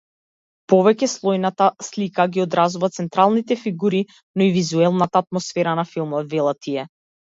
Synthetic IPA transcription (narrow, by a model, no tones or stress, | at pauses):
pɔvɛcɛslˠɔjnat̪aslikaɡiɔd̪ɾazuvat̪sɛnt̪ɾalˠnit̪ɛfiɡuɾi | nɔivizuɛlˠnat̪aːt̪̚mɔsfɛɾanafilˠmɔt̪vɛlˠat̪ʰiɛ